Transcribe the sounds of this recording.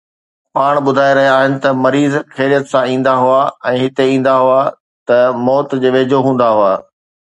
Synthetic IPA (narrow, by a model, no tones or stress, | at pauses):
paːɽ̃ɓʊd̪ʱaːeɾɐɦijaːɦɪnɪ̆t̪ɐmɐɾiːzkʰeːɾijət̪sãĩːn̆d̪aɦʊaːɛ̃ːɦɪt̪eĩːn̆d̪aɦʊa | t̪ɐmɔːt̪d͡ʑeːʋeːd͡ʑʱoɦũːn̆d̪aɦʊaː